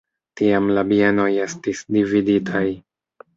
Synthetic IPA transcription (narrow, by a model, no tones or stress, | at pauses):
tiamlabieno̞je̞stisdividitʰaj